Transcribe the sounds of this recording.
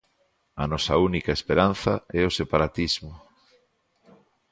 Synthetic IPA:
ɐnɔsɐ̰unikaespeɾan̟θɐɛosepaɾat̪izmʊ

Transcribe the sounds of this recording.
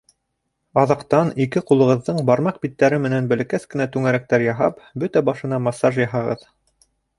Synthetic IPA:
ɑðɑqt̪ɑnikɘqulˠɤ̆ʁɤ̆ðːɤɴbɑɾmɑq̚bit̪ːæɾɘmɘ̆nænbæ̆lɘ̆kæskɘ̆næt̪ʉŋæɾæk̚t̪æɾjɑɦɑ̰pbɵt̪æbɑʃɤ̆nɑmɑsːɑʒjɑɦɑʁɤ̰ð

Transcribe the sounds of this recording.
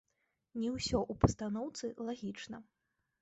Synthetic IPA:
nʲiwsʲɔʔupɐst̪anɔwt̪sɨlˠaɣʲit͡ʂnɐ

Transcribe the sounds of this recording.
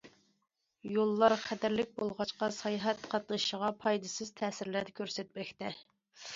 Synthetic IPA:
jolˠːɑɾχʰæd̪æɾlɪk̚ʲbolˠʁɑt͡ʃqɑsɑjɦɛt̪qʰɑt̪lˠɨʃəʁɑpʰɑjd̪ɨsɨz̥t̪ʰɛːsɪɾlæd̪ɛkʲʰøɾsɛt̪̚mɛkʲt̪ɛ

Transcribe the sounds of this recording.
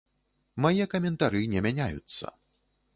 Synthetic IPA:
majɛkɐmʲɛnt̪aɾɨnʲɛmʲanʲajṵt̪sːɐ̰

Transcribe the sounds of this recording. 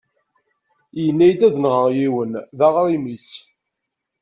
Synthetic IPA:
jənːæjd̪æðənʁəʁjiwənðaʁɾˤimis

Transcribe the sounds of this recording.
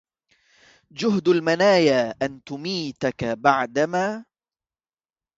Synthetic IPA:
d͡ʒʊɦd̪almanaːjaːʔant̪ʊmiːt̪akabaʕd̪amaː

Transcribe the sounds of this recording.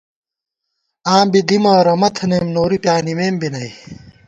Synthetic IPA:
aːmbid̪imɐːɾɐmɐt̪ʰɐneːmnoːɾipjaːnimeːmbinɐj

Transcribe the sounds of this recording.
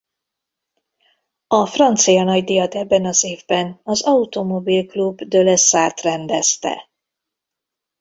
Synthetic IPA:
ɒfrɒnt̪sijɒnɒɟd̪ijɒt̪ɛbːɛnɒzeːvbɛnɒzɒut̪omo̞bilklubd̪ølɛsaːrt̪rɛnd̪ɛst̪ɛ̰

